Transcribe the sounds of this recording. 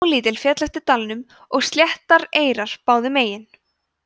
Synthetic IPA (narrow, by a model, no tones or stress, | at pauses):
wliːt̪̬ɪlfjɛːt̪lajht̪ɪt̪alnʏm | ɔɣst̪ljɛht̪aɾeːjɾaɾ̥paːwðɪmeːjɪn